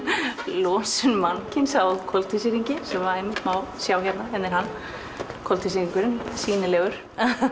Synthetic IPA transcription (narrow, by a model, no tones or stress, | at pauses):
lɔːsʏnmancɪnsawððkʰɔlt̪ʰisɪɾiɲcɪsɛmvaɾemːɪt̪mawsjawçɛt̪naɛnɪɾɦanː | kʰɔlt̪ʰisɾiŋkʏɾɪnsiːnɪlɛːɣʏɾ̥